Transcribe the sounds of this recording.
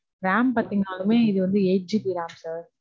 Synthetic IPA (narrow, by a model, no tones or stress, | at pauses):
ɾaːmpaːɾt̪iŋɡaːlɯmeːɪðɯʋɐnd̪ɯeːd͡ʒipiɾaːmsaːɾ